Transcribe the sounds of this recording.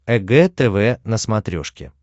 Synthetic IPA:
ɛɡɛt̪ɛvɛnəsmɐt̪ɾʲo̰ʂkʲɪ̰

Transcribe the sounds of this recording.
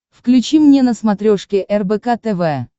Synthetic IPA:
fklʲʉt͡ɕimnʲenəsmɐt̪ɾʲoʂkʲɪʔɛrbɛkat̪ɛvɛ

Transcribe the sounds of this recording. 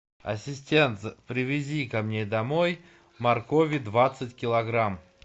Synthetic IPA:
ɐ̰sʲɪsʲtʲent̪spɾʲɪvʲɪzʲikɐmnʲed̪ɐmoj | mɐrkovʲid̪vat̪sɨtʲkʲɪlˠɐɡɾam

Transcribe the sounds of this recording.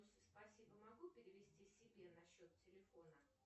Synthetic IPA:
sspɐsʲibəmɐɡupʲɪɾʲɪvʲɪsʲtʲisʲɪbʲenɐɕːo̞t̪tʲɪlʲɪfo̞nə

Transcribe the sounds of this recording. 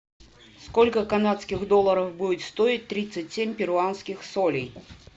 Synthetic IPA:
skɔlʲkəkanat̪skʲɪɣd̪ɔlˠːəɾəfbudʲɪt̪ʲst̪oit̚ʲt̪ɾʲit̪sɨtʲsʲemʲpʲɪɾʊanskʲɪxsolʲij

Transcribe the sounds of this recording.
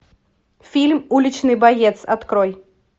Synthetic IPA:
fʲilʲmulʲit͡ʃnɨbajɛt̪sa̰t̪kɾɔj

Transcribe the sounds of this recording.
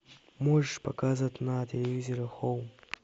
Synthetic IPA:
moʐʂpakazat̪nat̪ʲʰelʲevʲizʲoɾaxow

